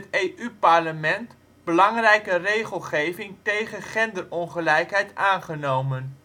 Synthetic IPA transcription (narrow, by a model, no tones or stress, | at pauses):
tejʔypɑɹləmɛnt | bəlɑŋrɛjkərejχəlˠχejvɪŋtejχənχɛndərɔnχəlɛjkɦɛjtaːnχənowmən